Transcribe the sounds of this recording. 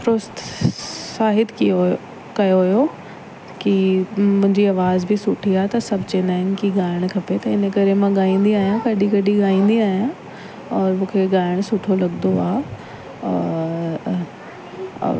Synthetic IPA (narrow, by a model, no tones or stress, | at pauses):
fɾʊst̪saːɦɪt̪ | kɐjoɦjo | kimʊ̃ɦɪ̃ɲd͡ʑiɐʋaːzbʱɪsʊʈʰiaːt̪ɐsɐbʱt͡ɕẽnaːɪnɪkiɡaːɪɽ̃kʰɐpet̪ɐɪnəkɐɾemãɡaːĩːn̆d̪iaːɦijãkɐɗikɐɗiɠaːĩːnd̪iaːɦijã | ɔːɾmũːkʰeɡaːɪɽ̃sʊʈʰolɐɠnoaː | ɔː